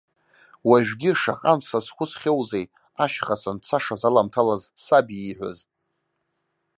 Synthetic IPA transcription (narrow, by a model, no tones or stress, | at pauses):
waʒᶣɡʲɪʂa̰qʼamsasχʷʊsχʲewzej | aʃχasant͡sʰaʂazalamtʰalazsabiiħʷa̰z